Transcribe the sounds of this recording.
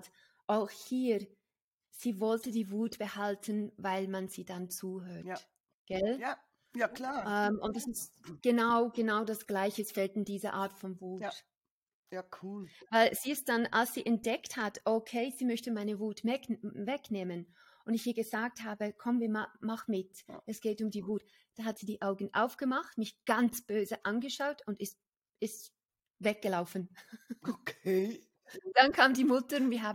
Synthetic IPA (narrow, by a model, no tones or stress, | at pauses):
t | ʔaʊxhiː | z̥iːvɔltədiːvuːtb̥əhaltʰənvaɪlmanziːdant͡suːɦøːɐt | ɡ̥ɛl | jaklaɛmʔʊntd̥asɪstɡ̥ənaʊɡ̥ənaʊdasɡ̥laɪçəsfɛltɪndiːzɐʔaːɐtfɔnvuːt | jauːlvaɪlz̥iːɪst̚d̥ana̰lsz̥iːʔɛnt̚d̥ɛkthatʔokʰeɪziːmœçtəmaɪnəvuːtmɛkvɛkneːmən | ʔʊndɪçhiːɐɡəzaːk̚thaːbəkʰɔmənviːɐmmaχnmɪtɛsɡ̥eːtʊmdiːvuːt | d̥aːhatz̥iːdiːʔaʊɡn̩ʔa̰ʊfɡ̥əmaχtmɪçɡ̥ant͡sb̥øːzəʔanɡəʃaʊtʊndɪst | ɪst | vɛk̚ɡ̥əlaʊfn̩o | ʊd̥ankʰaːmdiːmʊtəʊntviːɐɦaːb